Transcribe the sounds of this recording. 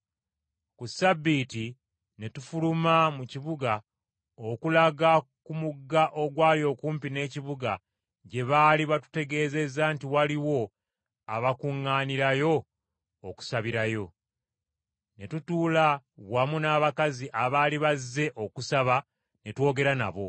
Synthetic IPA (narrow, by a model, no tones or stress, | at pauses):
kusabːiti | ne̞tufulumamuciβuɡa | okulaɡakumuɡːaʔo̞ɡwaːljo̞kuːmpine̞ːciβuɡa | ɟe̞βaːliβatu̥te̞ɡe̞ːze̞zantiwaliwo̞ | aβakuŋːaːniɾajo̞ː | ku̥saβiɾajo̞ | ne̞tutuːlaβwamunaːβakaziʔaβaːliβazːe̞ʔo̞kusaβa | ne̞two̞ːɡe̞ɾana̰βo̞̰